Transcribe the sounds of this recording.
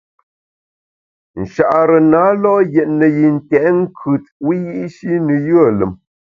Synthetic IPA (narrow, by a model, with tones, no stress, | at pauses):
n̩˨ʃa˨ʔɾə˨na˨˦lɔ˦jɛ˨ʔnə˨ji˨n̩˨tɛ˨˦ŋ̩˦kʰʉ˨t̚wi˦ji˦ʔʃi˦nə˨jɯ˦ə˨lə̰˨m